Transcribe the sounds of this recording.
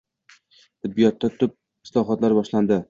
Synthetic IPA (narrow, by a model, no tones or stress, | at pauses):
t̪ʰɪd̪̚bijɒt̪ːat̪ʰʊp̚ | ɪslˠɒɦɒt̪laɾbɒʃland̪ɪ